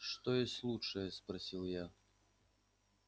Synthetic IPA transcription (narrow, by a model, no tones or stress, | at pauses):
ʂt̪ɔjɔsʲtʲlˠutʂəjɐspɾɐsʲilˠja